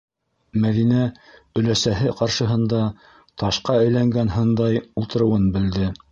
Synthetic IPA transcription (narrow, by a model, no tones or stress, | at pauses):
mæðinæ | ɵ̆læsæɦɘqɑɾʃɤ̆ɦɤ̆nd̪ɑ | t̪ɑʃqɑæjlæŋɡænɦɤ̆nd̪ɑjulˠt̪ɤ̆ɾɤ̆wɤnbɘ̆ld̪ɘ